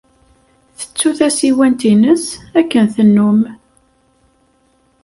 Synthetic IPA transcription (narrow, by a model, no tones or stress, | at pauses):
θə̥t͡sːuθæsiwænt̪inəsækːənθənːum